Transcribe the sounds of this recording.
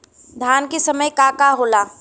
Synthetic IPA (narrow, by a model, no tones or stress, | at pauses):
d̪ʱjaːnkesɐməjkaːkaɦoːlaː